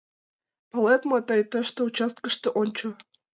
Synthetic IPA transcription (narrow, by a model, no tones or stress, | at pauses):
pɤ̆let̪mot̪ɑjt̪ə̆ʃt̪ŏut͡ɕɑst̪̚kə̆ʃt̪ŏʔonʲt͡ɕŏ